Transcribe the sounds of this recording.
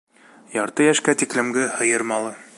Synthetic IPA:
jɒɾt̪ɤjæʃkæt̪iklɘ̆mɡɘhɤ̆jɤɾmɑlˠɤ

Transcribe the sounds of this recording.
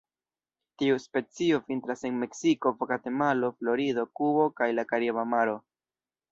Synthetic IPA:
tiuspe̞t͡sio̞fintɾase̞nme̞ksiko̞vokate̞malo̞flo̞ɾido̞kubo̞kajlakaɾimamaɾo̞

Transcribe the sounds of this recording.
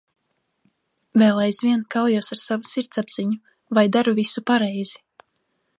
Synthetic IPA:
vɛːlˠajzvʲiɛnkawjuɔsaɾsavusiɾt̪sabz̥iɲu | vajd̪aɾuvisupaɾɛjz̥i

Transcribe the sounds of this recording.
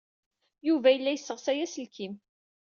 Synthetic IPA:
juvæjəlːæjəsːəʁsæjæsəlkʰim

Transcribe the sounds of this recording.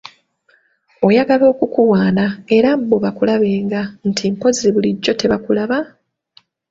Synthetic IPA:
o̞jaɡalo̞ːkukuwaːnae̞ɾabo̞βakulaβe̞ːŋɡan̩tʰimko̞ziβuliɟːo̞te̞βakulaβa

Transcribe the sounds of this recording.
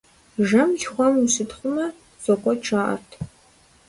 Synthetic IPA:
ʒɐmʒχʷɔmusɨtχʷʊmɐ | zʼokʷʼɔʈ͡ʂʰaːʔɐ̰rtʰ

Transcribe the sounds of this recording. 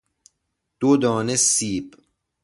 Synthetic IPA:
d̪̥od̪ɔːnesiːb

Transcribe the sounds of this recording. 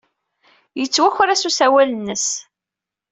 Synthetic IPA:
jət͡sːwæçɾæsusæwælənːəs

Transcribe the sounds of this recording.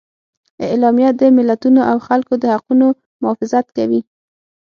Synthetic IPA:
ɪlɑmjad̪əmɪlːat̪unoʔawxalkod̪əhaquno | mʊfɪzat̪kawi

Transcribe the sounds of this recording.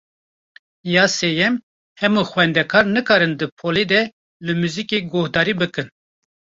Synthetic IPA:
jɑːseːjɛm | hɛmuxwɛnd̪ɛkʰɑːɾnɨkɑːɾɨnd̪ɨpʰoːled̪ɛ | lɨmuːzikeɡohd̪ɑːɾiːbɨkɨn

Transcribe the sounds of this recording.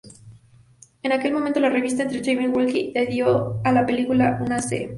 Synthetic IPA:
e̞nake̞lmoment̪o̞lare̞βis̬t̪aent̪ɾet͡ʃejmiwolkid̪eðjoalape̞likulaʔunasḛ

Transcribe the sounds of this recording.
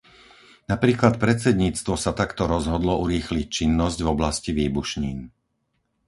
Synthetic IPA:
napɾiːklat̪̚pɾɛt͡sɛd̪ɲiːt͡st̪ʋɔsat̪akt̪ɔɾɔzɦɔd̪lɔuɾiːxlic̚t͡ʃinːɔzɟvɔblasciʋiːbuʃɲiːn

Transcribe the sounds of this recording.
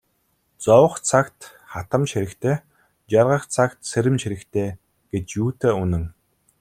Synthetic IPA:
t͡sɔwə̆χt͡sʰakt̪ | χat̪ə̆mt͡ɕxeɾɘ̆kt̪ʰeː | t͡ɕarʁə̆χt͡sʰakt̪seɾɘ̆mt͡ɕʰeɾɘ̆kt̪ʰeː | ɡ̥et͡ɕjuːt̪ʰeːunɘ̆ŋ

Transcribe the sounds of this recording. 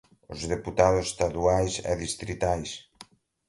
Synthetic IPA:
ʊzðeput̪aðʊse̥st̪aðuajsɛ̰ðist̪ɾit̪ajs

